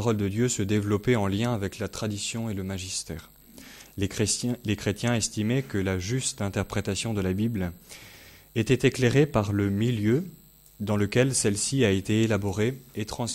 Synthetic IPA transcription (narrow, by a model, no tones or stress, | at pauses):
ʁɔld̪əd̪jøsəd̪evlɔpɛɑ̃ljɛ̃avɛklat̪χad̪isjɔ̃eləmaʒist̪ɛːʁ | lekχet̪jɛ̃ɛst̪imɛkəlaʒyst̪ɛ̃t̪ɛʁpχet̪asjɔ̃d̪əlabibl | et̪ɛt̪ekleʁepaʁləmiljø | d̪ɑ̃ləkʲɛlsɛlsiaet̪eːlabɔʁeet̪χɑ̃s